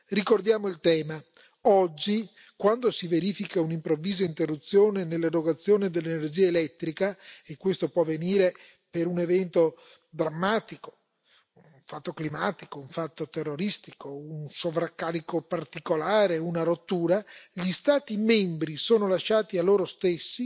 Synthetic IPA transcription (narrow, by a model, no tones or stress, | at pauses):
rikord̪jaːmoilt̪ɛːma | ɔd͡ʒːi | kwand̪osiveɾiːfikaunimpɾovːiːzaint̪erːut̪sːjoːnenelːaɾoɡat̪sːjoːned̪elːenerd͡ʒiːaelɛt̪ːɾikaekːwest̪opwɔvːeniːɾe | peɾunevɛnt̪o | d̪ɾamːaːt̪iko̥ | uɱfat̪ːoklimaːt̪ikouɱfat̪ːot̪erːoɾist̪ikounsovɾakːaːɾikopart̪ikolaːɾeunaɾot̪ːuːɾaʎist̪aːt̪imembɾisoːnolaʃːaːt̪ialːoːɾost̪esːi